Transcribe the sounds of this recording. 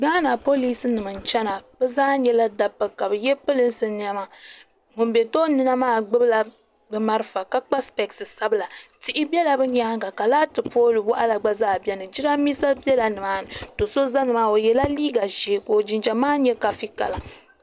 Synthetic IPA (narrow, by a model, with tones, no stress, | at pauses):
ɡaː˦na˨po˦li˦sɨ˦nɨ˨mɨ˨n̩˨t͡ʃɛ˦na˨bɛ˦zaː˦ɲɛ˦la˦da˦pːɨ˦ka˨bɨ˨jɛ˦pɨ˦lɨ˦n̩˦sɨ˨n˦a˦ma˨ | mʊ˨m˦bɛ˨to˦nɨ˦na˦maː˦˨ɡ͡bɨ˦bɨ˦la˨ | bɨ˨ma˦ɾɨ˦fa˨ka˦k͡pa˦spɛ˨ksɨ˨sa˦bɨ˦la˨ti˦ʔɪ˦bʲɛ˦la˨bɨ˦ɲ˦a˦ŋ˦ɡa˨ka˨laː˦tɨ˨poː˦lɨ˨wa˦ʔa˦la˨ɡ͡ba˦zaː˦˨bɛ˦nɨ˨d͡ʒi˦ɾa˦mi˦sa˦bɛ˦la˨nɨ˨maː˦nɨ˨to˨so˦za˦nɨ˨maː˦o˨jɛ˨la˦liː˦ɡa˨ʒeː˨˦˨ko˨d͡ʒi˨nd͡ʒa˨maː˦ɲɛ˦ka˨fi˦ka̰˨la˨